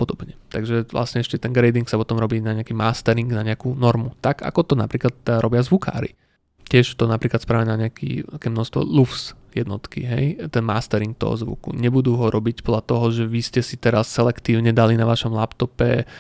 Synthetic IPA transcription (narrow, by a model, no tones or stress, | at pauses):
pɔd̪ɔbɲɛt̪aɡʒɛʋlʔa̰sɲɛɛʃcɛt̪ɛnɡɾɛjd̪iŋksapɔt̪ɔmɾɔbiːnaɲɛakiːmaːst̪ɛɾiŋɡnaɲɛakuːnɔɾmut̪aɡa̰kɔt̪ɔna̰pɾiːklat̪ɾɔbɪazʋukʰa̰ːɾḭ | cɪɛʃt̪ɔnapɾiːklat̪spɾaːʋɛɛnaɲɛakḭːakɛːmnɔʃst̪ʋɔ̰lufsjɛd̪nɔt̪kḭɦɛjt̪ɛnmaːst̪ɛɾiŋk̚t̪ɔ̰ɦɔ̰zʋṵkṵɲɛbud̪uːɦɔɾɔbicpɔd̪lat̪ɔɦɔʒɛʋiscɛsit̪ɛɾasːɛlɛkt̪iːʊɲɛd̪alinaʋaʃɔmlapt̪ɔpɛ